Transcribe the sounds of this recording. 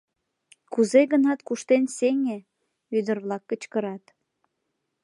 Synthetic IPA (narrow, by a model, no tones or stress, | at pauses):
kuzeɣənɑt̪kuʃt̪enseŋe | yd̪ərβlɑkːət͡ɕkəɾɑt̪